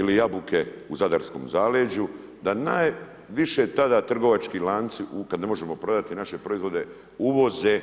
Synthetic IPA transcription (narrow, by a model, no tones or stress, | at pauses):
ilijabukʰe̞uzad̪aɾsko̞̰mzaːled͡ʑu | d̪anaːj | ʋiʃe̞t̪ad̪at̪r̩ɡo̞ʋat͡ʃkilaːnt̪siʔukad̪nemoʒe̞mo̞pɾo̞d̪at̪inaʃe̞pɾo̞izʋo̞d̪e̞ | uʋo̞ze